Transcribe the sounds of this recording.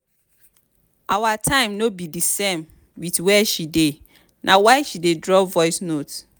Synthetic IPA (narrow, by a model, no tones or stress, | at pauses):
awatʰãɪ̃mnobidisẽm | witwɛʃide | nʔawaɪʃidedɹɔvɔɪsnot